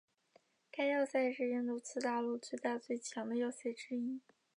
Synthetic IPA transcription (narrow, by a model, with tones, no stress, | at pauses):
ka˥ɪjɑ˥˧ʊsa˥˧ɪʂɻ̩˥˧ɻə˥˧nt̪u˥˩t͡sʰɹ̩˥t̪a˥˧lu˥˧t͡swe˥˧ɪt̪a˥˧t͡swe˥˩ɪt͡ɕʰjɑ˧˥ŋd̪ə˧jɑ˥˧ʊɕjɛ˥˩ʈ͡ʂɻ̩˥i˥